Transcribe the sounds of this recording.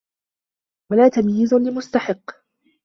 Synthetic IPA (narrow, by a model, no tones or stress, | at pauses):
walaːt̪amjɪzʊlɪmʊst̪aħɪqː